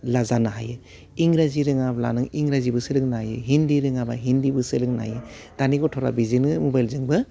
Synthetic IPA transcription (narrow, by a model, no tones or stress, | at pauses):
lazanaɦa̰jɯ | iŋɾaziɾɯŋabla̰nɯŋiŋɾazibɯsɯɾɯŋnajɯɦindiɾɯŋabaɦindibɯsɯɾɯŋna̰jɯd̥aniɡɔtʰɔɾa̰bizinɯmɔbajlzɯŋbɯ